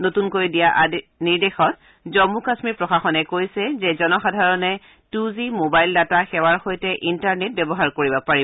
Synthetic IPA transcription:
notunkojdijaʔniɹdexɔt̚ | zɔmukasmiɹpɹɔxaxɔnɛkojsɛzɛzɔnɔxadʱaɹɔnɛ | tuzimobajldataxɛwaɹxojtɛʔintaɹnet̚bɛbɔɦaɹkoɹibapaɹi

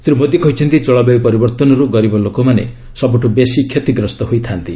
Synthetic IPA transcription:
sɾumod̪jikɔɦit͡ʃʰɔnt̪it͡ʃɔɭɔbeipɔɾibɔɾt̪ɔnɔɾuɡɔɾibɔlokɔmanḛ | sɔbuʈʰubesikʰjet̪iɡɾɔst̪ɔɦojt̪ʰant̪i

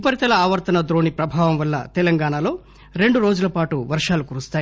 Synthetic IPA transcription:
pɐɾit̪ɐlɐaːʋɐɾt̪ɐnɐd̪ɾo̞ːnipɾɐbʱaːʋɐmʋɐlːɐ̰t̪ɛlɐŋɡaːɳaːlo̞ː | ɾe̞ɳɖuɾo̞ːd͡ʒulɐpaːʈuʋɐɾʂaːlukuːɾust̪aːji

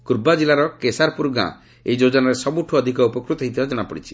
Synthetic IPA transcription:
kuɾbad͡ʒilaɾɔkesaɾpuɾɡã̰ | ḛid͡ʒod͡ʒɔnaɾesɔbuʈʰuɔd̪ʱikɔupɔkɾut̪ɔɦit̪ibad͡ʒɔɽ̃apɔɽit͡ʃʰi̥

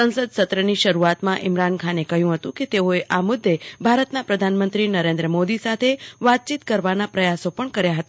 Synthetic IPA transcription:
sə̃nsəd̪̚sət̪ɾəniʃəɾuat̪mãʔɪmɾankʰanekəɦjũɦət̪ũket̪eoeʔamʊd̪ʱːebʱaɾət̪napɾəd̪ʱanmə̃nt̪ɾinəɾẽnd̪ɾəmod̪isat̪ʰeʋat̪̚t͡ʃit̪kəɾʋanapɾəjasopəɳkəɾjaɦət̪a

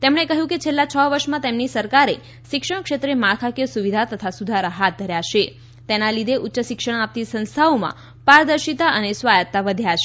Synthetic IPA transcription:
t̪emɳ̃ekəɦjũket͡ʃʰelːat͡ʃʰəʋəɾʃmãt̪emnisəɾkaɾe | ʃɪkʂəɳ̃kʃet̪ɾemakʰakesuʋid̪ʱat̪ət̪ʰasud̪ʱaɾəɦat̪̚d̪ʱəɾjaʃe | t̪enalid̪ʱeʔutːʃəʃɪkʂəɳ̃ap̚t̪isə̃nst̪ʰaomã̰ | paɾd̪əɾʃit̪aʔənesʋajət̪ːaʋəd̪ʱjaʃe

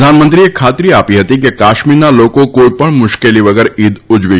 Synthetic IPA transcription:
aːnmənt̪ɾiekʰaːt̪ɾiaːpiɦɐt̪ikekaːʃmiːɾnaloːkõkoːipəɽ̃mʊʃkeliʋɐɡɛːɾiːd̪ʊd͡ʒʋe

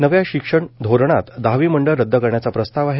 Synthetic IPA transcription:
nəʋjaɕikʂəɳd̪ʱoɾɳ̃at̪d̪aʋiːməɳɖəɭːəd̪ʱːəkəɾɳjat͡sapɾəst̪aʋaɦe

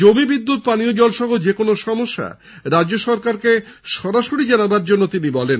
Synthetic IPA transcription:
d͡ʑomibid̪ːut̪̚paniod͡ʑɔlʃɔɦod͡ʑekonoʃɔmoʃːa̰ | ɾadoʃɔɾkaɾke | ʃɔɾaʃoɽid͡ʑanabaɾd͡ʑonːot̪inibɔlen

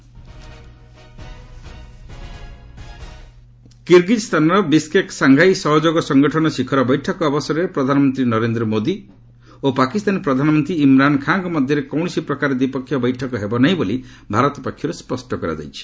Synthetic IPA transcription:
kiɾɡit̪st̪ʰanɔɾɔbiskeksaŋɡʱajsɔɦɔd͡ʒoɡɔsɔŋɡɔʈʰɔnɔsikʰɔɾɔbɔjʈʰɔkɔːbɔsɔɾepɾɔd̪ʱanɔmɔnt̪ɾinɔɾend̪ɾɔmod̪i | opakist̪anepɾɔd̪ʱanɔmɔnt̪ɾiimɾankʰaŋkɔmɔd̪ʱjɔɾekɔwɳɔsipɾɔkaɾed̪ipɔkʰːjɔbɔjʈʰɔkɔɦebɔnaɦĩbolibʱaɾɔt̪ɔpɔkʰːjɔɾespɔsʈʰɔkɔɾa̰d͡ʒa̰jt͡ʃʰi̥

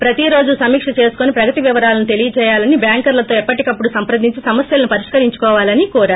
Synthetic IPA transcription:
pɾɐt̪iɾo̞ːd͡ʒusɐmiːkʂɐt͡ʃe̞ːsu̥koːnipɾɐɡɐt̪iʋiʋɐɾaːlɐnut̪e̞lijɐt͡ʃɛːjaːlɐnibjaːŋkɐɾlɐt̪o̞ːɛpːɐʈikɐpːuɽusɐmpɾɐd̪ʱːiɲt͡ʃisɐmɐsjɐlɐnupɐɾiʂkɐɾiɲt͡ʃu̥kɔːʋaːlɐnikuːɾaː

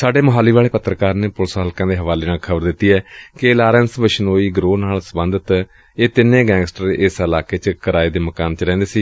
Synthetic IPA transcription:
saːɖeːməɦaːliːʋaːɭeːpət̪ːɾəkaːɾneːpʊlsɦaːlkãːd̪eːɦəʋaːleːnaːlkʰəbəɾd̪ɪt̪ːiːɛːkɪlaːɾɛːnsbəʃnoːiːɡɾoːnaːlsəbə̃nd̪ət̪ | eːt̪ɪnẽːɡɛ̃ːŋɡsʈəɾeːɪsəlaːkeːt͡ʃkəɾaːiːd̪eːməkaːnt͡ʃəɾɛ̃ːnd̪eːsiː

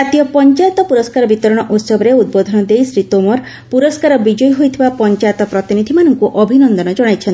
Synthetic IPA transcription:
at̪ijɔpɔnt͡ʃajt̪ɔpuɾɔskaɾɔbit̪ɔɾɔɽ̃ɔʔut̪sɔbɔɾeud̪̚bod̪ʱɔnɔd̪ejsɾit̪omɔɾ | puɾɔskaɾɔbid͡ʒɔjɔɦojt̪ʰibapɔnt͡ʃajt̪ɔpɾɔt̪inid̪ʱimanɔŋkuʔɔbʱinɔnd̪ɔnɔd͡ʒɔɽ̃ajt͡ʃʰɔni

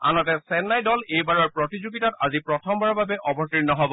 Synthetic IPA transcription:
a̰nɔtɛsɛnːajdɔlejbaɹɔɹpɹɔtizuɡitatazipɹɔtʰɔmbaɹɔbabɛʔɔbɔɹtiɹnɔɦɔbɔ

